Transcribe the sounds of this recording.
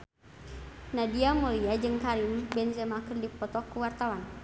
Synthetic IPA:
nadiamoliad͡ʒɨŋkaɾimbɛnsɛmakərdipɔt̪ɔkːuwart̪awan

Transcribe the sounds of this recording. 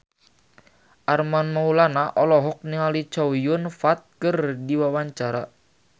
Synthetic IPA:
ʔarmanmaulanaʔɔlɔɦɔk̚niŋalit͡ʃɔwijʊnfat̪̚kərdiwawaɲt͡ʃaɾa

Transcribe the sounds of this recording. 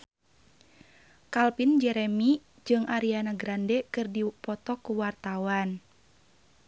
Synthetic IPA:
kalpind͡ʒɛɾɛmi | d͡ʒɨŋʔaɾianaɡɾandɛkɨrdipɔt̪ɔkuwart̪awan

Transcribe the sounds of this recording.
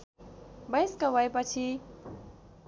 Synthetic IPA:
bʌjskawajpʌt͡sʰi

